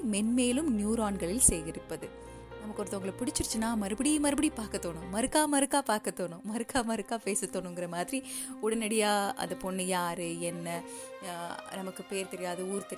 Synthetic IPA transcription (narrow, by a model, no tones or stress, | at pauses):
mɛnmeːlɯmnjuːɾaːɳɡɐɭɪlsɛjɣɪɾɯpːɐðɯ | nɐmɐkːɔɾɐt̪ːɯʊŋɡɐɭɐpɪɽɪt͡ʃːɪɾɯt͡ʃːɯnːaːmɐɾɯbɐɽimɐɾɯbɐɽipaːɾkɐt̪ːoːɳʊ̃mɐɾɯkːaːmɐɾɯkːaːpaːɾkɐt̪ːoːɳʊ̃mɐɾɯkːaːmɐɾɯkːaːpeːsɐt̪ːoːɳʊ̃ŋɡɪɾɐmaːðɪɾi | ʊɽɐnɐɽɪjaːɐ̰nðɐpɔnːɯjaːɾɯɛnːɐ | nɐmɐkːɯpeːɾt̪ɛɾɪjaːðɐuːɾɯt̪ɛɾɪ